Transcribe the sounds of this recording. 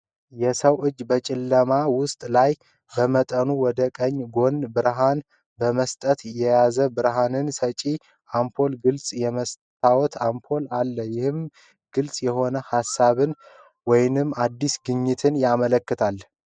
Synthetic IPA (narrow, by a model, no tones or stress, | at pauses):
jɛsəwʔɨd͡ʒːbət͡ʃʼɪlːəmawʊst̪ʼlaj | bəmət̪ʼənuwɔd̪əkʼəɲːɡo̞nbɨɾɦan | bəməst̪ʼət̪jɛjazəbɨɾɦanɨnsət͡ʃʼi | ʔampʰo̞lɡɨlsʼjɛməs | t̪ʰawɔt̪ʰampʰo̞lalːəjɪhɨm | ɡ̥ɨlsʼjɛɦo̞nəhasːaβɨn | wɔjnɨmad̪ːisɡɨɲːɪt̪ʰɨnjamələkːɨt̪ʰal